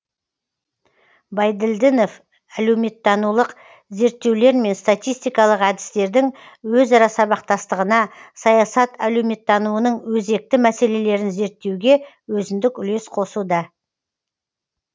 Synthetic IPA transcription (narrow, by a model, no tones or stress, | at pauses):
bɑjd̪ɪld̪ɪno̞f | ælewme̞t̪ːɑnulˠəq | ze̞ɾt̪ːe̞wle̞ɾme̞nst̪at̪ijst̪ijkɑlˠəqæd̪ɪ̥st̪e̞ɾd̪ɪŋ | wɵzɑɾɑsɑβɑqt̪ɑst̪əʁənɑsɑjɑsɑt̪ælɵwme̞t̪ːɑnuənəɴwɵze̞k̚t̪ɪmæse̞le̞le̞ɾɪnze̞ɾt̪ːe̞wɡʲe̞ | wɵzɪnd̪ɪkʏle̞sqʰo̞sud̪ɑ